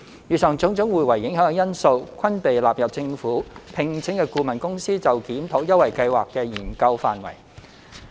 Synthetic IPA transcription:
jyː˨˩sœː˨ŋt͡sʊ˨˥ŋt͡sʊ˨˥ŋwuː˨˩jwɐ˨˩jːɪ˨˥ŋɦœː˨˥˧jɐ˥nso˧wkʷʰɐ˥npe˨jlaː˨p̚jɐ˨p̚t͡sɪ˧ŋfuː˨˥pʰɪ˨ŋt͡sʰɪ˨˥ŋkɛ˧kuː˧mɐ˨˩nkʊ˥ŋsiː˥t͡sɐ˨wkiː˨˥mt̪ʰoː˨˥jɐ˥wɐ˨˩jkɐ˧jwaː˨˩kːɛː˧jiː˨˩nkɐ˧wfa̰ː˨nwɐ̰˨˩j

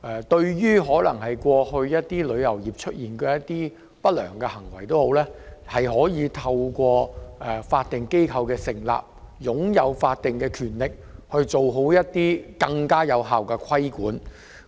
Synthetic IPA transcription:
ʔɛ˨t̪ɵ˧ɥjyː˥ɦɔː˨˥lɐ˨˩ŋhɐ˨jkʷɔː˧hɵ˧ɥjɐ˥t̚t̪iː˥lɵ˨˧ɥjɐ˨˩wjiː˨˩p̚t͡ʃʰɵ˥t̚jiː˨˩nkɛː˧jɐ˥tt̪ːiː˥ | pɐ˥t̚lœ̰ː˨˩ŋkɛː˧hɐ˨˩ŋwɐ˨˩jt̪o˥who˨˧˥wlɛː˥hɐ˨jɦɔː˨˥jiː˨˧t̪ʰɐ˧wkʷɔː˧ʔɛ˨faː˧t̚t̪ɪ˨ŋke˥jkʰɐ˧wkɛː˧sɪ˨˩ŋla̰ː˨p̚jʊ˨˥ŋjɐ˨˧wfaː˧t̚t̪ɪ˨ŋkɛː˧kʰyː˨˩nlɪ˨k̚hɵ˧ɥt͡so˨wɦo˨˥wjɐ˥t̚t̪iː˥kɐ˧ŋkaː˥jɐ˨˧wɦaː˨wkɛː˧kʰɐ˥jkuː˨˥n

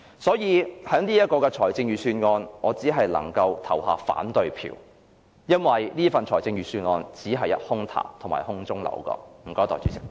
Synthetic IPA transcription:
sɔː˨˥jiː˨˧hœː˨˥ŋnliː˥jɐ˥t̚kɔː˧kɛː˧t͡ʃʰɔː˨˩jt͡sɪ˧ŋjyː˨syː˧nŋɔː˧nŋɔː˨˧t͡siː˨˥ɦɐ˨jlɐ̰˨˩ŋkɐ˧wt̪ʰɐ˨˩wɦaː˨˧fa̰ː˨˥nt̪ɵ˨˧ɥpʰḭː˨˩w | jɐ˥nwɐ˨jliː˥fɐ˨nt͡ʃʰɔː˨˩jt͡sɪ˧ŋɥyː˨syː˧nŋɔː˧nt͡siː˨˥ɦɐ˨jːɐ˥t̚hʊ˥ŋt̪ʰa̰ː˨˩t̪ʰʊ˨˩maː˨˩hʊ˥ŋt͡sʊ˥ŋlɐ̰˨˩wkɔ̰ː˧m̩˨˩kɔː˨˧˥t̪ɔː˨˩t͡sy̰˨˥sʰɪ˨˥k̚

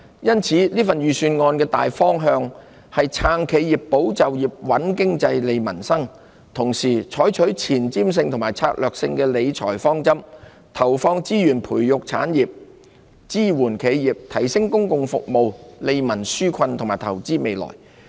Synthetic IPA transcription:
jɐ˥nt͡sʰiː˨˥liː˥fɐ˨njyː˨˧syː˧nŋɔː˧nkɛː˧t̪a̰ː˨jfɔː˥ŋɦœː˧ŋ | hɐ˨jt͡sʰaː˨˧ŋkʰe˨˧jiː˨ppːo˨˥wt͡sɐ˨wjiː˨p̚wɐ˨˥nkɪ˥ŋt͡sɐ˧jle˨˧jmɐ˨˩nsɐ˥ŋ | t̪ʰʊ˨˩ŋsiː˨˩t͡ʃʰɔː˨˥jt͡ʃʰɵ˨˥ɥt͡sʰiː˨˩nt͡siː˥ms̬ɪ˧ŋt̪ʰʊ˨˩maː˨˩jt͡sʰaː˧t̚lœː˨k̚sɪ˧ŋkɛː˧le˨˧jt͡ʃʰɔ̰ː˨˩jfɔː˥ŋt͡sɐ˥m | t̪ʰɐ˨˩wfɔː˧ŋt͡siː˥jyː˨˩npʰuː˨˩jjʊ˨k̚t͡sʰa̰ː˨˥njiː˨p̚ | t͡siː˥wuː˨˩nkʰe˨˧jjiː˨p̚t̪ʰɐ˨˩jsɪ˥ŋkʊ˥ŋkʊ˨ŋfʊ̰˨k̚mo˨˧wle˨˧jmɐ˨˩nsyː˥kʰɐ˧nt̪ʰŋmaː˨˩jt̪ʰɐ˨˩wt͡siː˥me˨˧jlɔ̰ː˨˩j

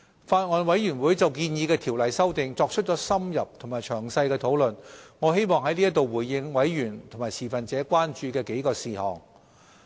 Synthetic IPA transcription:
faː˧t̚ŋɔː˨˧nwɐ˨˥jjyː˨˩nwu˨˥jt͡sɐ˨wkiː˧njiː˨˧kɛː˧t̪ʰiː˨˩wlɐ˨jsɐ˥wt̪ɪ˨ŋt͡sɔː˧k̚t͡ʃʰɵ˥t̚t͡ʃɔː˨˥sɐ˥mjɐ˨p̚t̪ʰo˨˩ŋmaː˨˩jt͡ʃʰœː˨˩ŋsɐ˧jkɛː˧t̪ʰo˨˥wlɵ˨nŋɔː˨˧he˥jmɔː˨ŋɦɐ˨˥jli˥ɐ˥t̪o˨wwuː˨˩jːɪ˧ŋwɐ˨˥jɥyː˨˩nt̪ʰo˨˩maː˨˩jsʰiː˨˩fɐ˨nt͡sɛː˨˥kʷaː˥nt͡ʃyː˧kɛː˧ke˨˥jkɔː˧siː˨˩hɔ̰ː˨˩ŋ

